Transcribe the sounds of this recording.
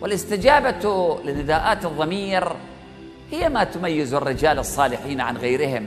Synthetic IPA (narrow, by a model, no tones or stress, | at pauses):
wɪlɪst̪ɪd͡ʒaːbalɪnːɪd̪aːʔaːt̪ɨðˤːɑmiːɾ | hɪjːamat̪ʊmajːɪzɪrːɪd͡ʒaːlɨsˤːɑːlɪħiːnʕa̰nɣajɾɪɦɪm